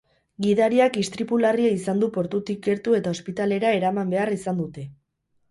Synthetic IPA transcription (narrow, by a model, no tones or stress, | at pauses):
ɡiðaɾiakist̪ɾipulariaisand̪upo̞ɾt̪ut̪ik̚ːe̞ɾt̪ue̞t̪ao̞spit̪ale̞ɾae̞ɾamambe̞arisand̪ut̪e̞